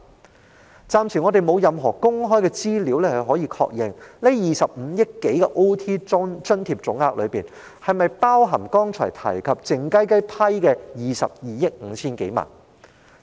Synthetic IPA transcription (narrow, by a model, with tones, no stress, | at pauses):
t͡saː˨˧mt͡sʰiː˨˩ŋɔː˨˧t̪e˨jmo˨˧wjɐ˨mɦɔː˨˩kʊ˥ŋɦɔː˥jkɛː˧t͡siː˥liː˨˥wlɛː˥hɐ˨˩ɦɔː˨˥jiː˧kʰɔ̰ː˧k̚jɪ˨ŋle˥jjiː˨˩sɐ˨p̚m̩˨˧˦jɪ˥kːe˨˥jkɛ˧ʔo˥wt̪ʰiː˥t͡ʃɵ˥nt̪ʰiː˧p̚t͡ʃʊ˨˥ŋaː˧k̚lɵ˨˧ɥpiː˨˩n | hɐ˨jmɐ˨jpaː˥wɦɐ˨˩mkɔː˥ŋt͡ʃʰɔ̰ː˨˩jt̪ʰɐ̰˨˩jkʰɐ˨p̚t͡sɪ˨ŋkɐ˥jkɐ˥jpʰɐ˥jkɛː˧jiː˨sɐ̰˨p̚jiː˨jɪ˥k̚ŋ̩˨˧˦t͡sʰiː˥nke˨˥jma̰ː˨˩n